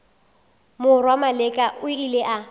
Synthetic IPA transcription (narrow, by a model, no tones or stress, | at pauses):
mʊrwamalɛkʼaʔʊileʔa